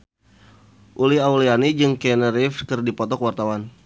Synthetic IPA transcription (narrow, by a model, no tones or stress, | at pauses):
ʔulihaulianid͡ʒɨŋkɛnəɾifkɨrdipɔt̪ɔkwart̪awan